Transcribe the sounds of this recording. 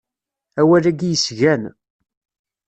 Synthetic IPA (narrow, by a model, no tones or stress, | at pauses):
æwælæɡjəsʝæn